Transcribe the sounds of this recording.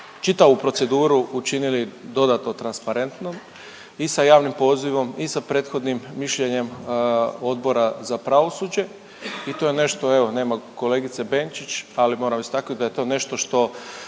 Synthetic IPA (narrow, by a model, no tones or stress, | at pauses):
t͡ʃit̪aʋupɾo̞t̪se̞d̪uːɾuut͡ʃinilid̪o̞d̪at̪not̪ɾanspaɾe̞nt̪nom | isajaːʋnimpo̞ːziʋo̞misapɾe̞ːt̪xo̞d̪nimːiʃʎe̞ɲe̞m | o̞d̪̚bo̞ɾazapɾaʋo̞sud͡ʑe̞ | it̪oːjene̞ʃt̪o̞e̞ʋo̞ne̞ːmako̞le̞ːɡit̪se̞be̞ːnt͡ʃit͡ɕalimo̞ːɾamist̪akod̪ajet̪o̞ːne̞ʃt̪o̞ʃt̪o̞